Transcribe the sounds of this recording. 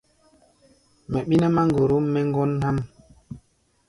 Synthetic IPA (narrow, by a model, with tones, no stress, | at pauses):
mɛ˨ɓi˦na˦ma˦ŋɡo˨ɾu˦mɛ˦ŋ˦ɡɔ˦nha˦m